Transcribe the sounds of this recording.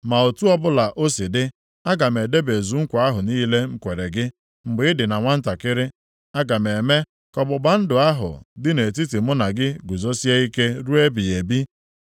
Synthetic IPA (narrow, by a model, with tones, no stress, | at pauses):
ma˨o˨tu˦ɔ˦bʊ˦la˨ʔo˦si˨dɪ˦ | a˦ɡa˨me˨de˦be˨zu˨ŋ̩˦kʷa˨a˦ɦʊ˨niː˦le˦ŋ͡m̩˦kʷe˨ɾe˨ɡɪ˦ | m̩˨ɡ͡bɪ˨˦ɪ˦dɪ˨na˨ŋʷa˦n̩˦ta˨kɪ˦ɾɪ˦ | a˦ɡa˨me˨me˦ | kɔ˨bʊ˨ba˦n̩˦dʊ˨a˦ɦʊ̰˨dɪ˦ne˨t̬i˦ti˨mʊ˦na˨ɡɪ˦ɡu˨zo˦si˦e˦i˦ke˦ɾu˦e˦bi˨e˨bi˦